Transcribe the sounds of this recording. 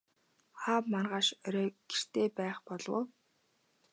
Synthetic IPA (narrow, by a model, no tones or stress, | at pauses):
χaːpmarʁaːʃœɾœːɡ̥er̥t̪eːpæːχpɔɮwo̰w